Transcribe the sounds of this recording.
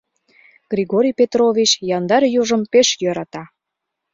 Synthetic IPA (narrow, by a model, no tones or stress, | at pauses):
ɡ̥rʲiɣoɾʲijpet̪ɾovʲit͡ɕjɑnd̪ɑɾjuʒəmpeʃjøɾɑt̪ɑ